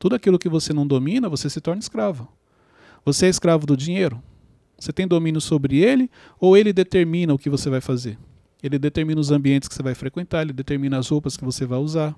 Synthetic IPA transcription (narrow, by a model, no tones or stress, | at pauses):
t̪ud̪ʊakilʊkɪvosenɐ̃w̃d̪omĩnɐvosesɪt̪ɔɾnɐɪskɾavʊ | voseɛiskɾavʊd̪ʊd͡ʒĩɲejɾʊ | oset̪ẽj̃d̪omĩnjʊsobɾɪelɪ | owelɪd̪et̪eɾmĩnɐʊkɪvosevajfazeɾ | elɪd̪et̪eɾmĩnɐʊzɐ̃mbiẽntɪ̥skɪ̥sevajfɾekwẽnt̪aɾelɪd̪et̪eɾmĩnɐazhopɐskɪvosevajuzaɾ